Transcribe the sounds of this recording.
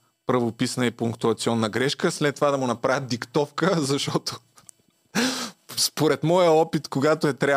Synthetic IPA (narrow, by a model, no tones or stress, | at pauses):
pɾɐvopisnəipʊŋkt̪uɐt̪siɔnːəɡɾɛʃkəslɛt̪ːovad̪ɐmʊnɐpɾavət̪̚d̪ikt̪ɔfkəzɐʃt̪ɔt̪o̥ | spoɾɛt̪mɔjəɔpit̪koɡat̪oɛt̪ɾʲa